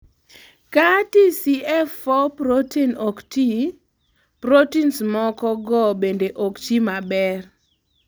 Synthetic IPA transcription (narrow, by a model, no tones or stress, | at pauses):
katisiɛfɔpɾotinokti | pɾotinsmɔkɔɡɔbendeʔokt͡ʃimabɛr